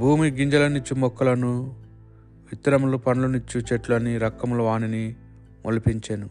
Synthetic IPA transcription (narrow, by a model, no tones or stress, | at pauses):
bʱuːmiɡiɲd͡ʒɐlɐnuɲt͡ʃimɔkːɐlɐnu | ʋit̪ːɐɾɐmulupɐnɐlunuɲt͡ʃit͡ʃeʈlɐniɾɐkːɐmuluʋaːnini | mʔolipiɲt͡ʃeːnu